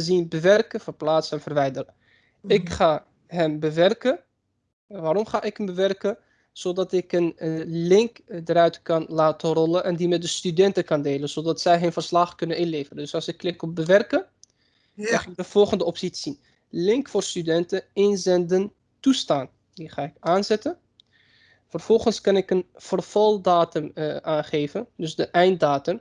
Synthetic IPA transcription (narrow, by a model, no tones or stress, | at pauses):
əzinbəʋɛrkəvərplaːtsɛnvərʋɛjdərə | ɪkχaː | ɦɛmbəʋɛrkə | ʋaːɾɔmχaːʔɪkɦəmbəʋɛrkə | z̥odɑtɪkənəlɪŋkdəɾœɥtkɑnlaːtərɔlənʔɛndimɛt̚dəstydɛntəkɑndeːlənz̥odɑtsɛjɦənvərslɑχkʏnənɪnleːvərəndɵsɑlˠsɪkːlɪkɔp̚bəʋɛrkə | ɑχadəv̥ɔlˠχəndəɔpsitsin | lɪŋkfoːrstydɛntəɪnzɛndən | tustaːn | diχaːɪkaːnzɛtə | fərv̥ɔlˠχənskɑnɪkənv̥ərv̥ɑlˠdaːtəmʔaːnχeːvəndɵsdəʔɛjnt̚daːtəm